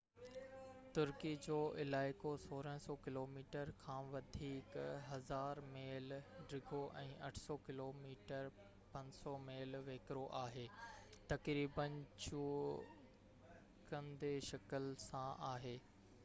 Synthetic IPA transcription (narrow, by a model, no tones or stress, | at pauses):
t̪ʊɾkid͡ʑoːʔɪlaːɪkosoːɾə̃ɦsɔːkɪloːmiːʈəɾkʰãːʋɐd̪ʱiːkɦɐzaːɾmeːlɖɾɪɡʱoʔɛ̃ːʔɐʈʰsɔkɪloːmiːʈəɾ | pɐ̃ɲsɔmeːlʋeːkɾoʔaːɦeːt̪ɐkɾiːbənt͡ɕuː | kənd̪eʃɐkəlsãʔaːɦeː